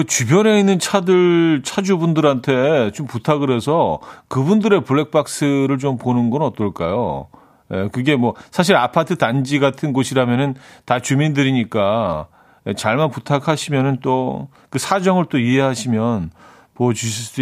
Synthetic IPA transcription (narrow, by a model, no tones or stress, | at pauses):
kɯt͡ɕubjʌne̞inːɯnt͡ɕʰadɯɭt͡ɕʰad͡ʑubundɯɾantʰe̞t͡ɕomputʰaɡɯɾe̞sʰʌkɯbundɯɾe̞puɭːe̞k̚p͈ak̚s͈ɯɾɯɭt͡ɕomponɯnɡʌnʌt͈ʌɭk͈a̰jo̰ | jekɯɡe̞mwʌsʰaɕ̬ʰiɾapʰatʰɯtand͡ʑiɡatʰɯnɡʌɕʰiɾamjʌnɯntat͡ɕumindɯɾiɲik͈a | et͡ɕaɭmanputʰakʰaɕʰimjʌnɯnt͈o | kɯsʰad͡ʑʌŋɯɭt͈oiɦe̞ɦaɕʰimjʌn | mʌt͡ɕuɕ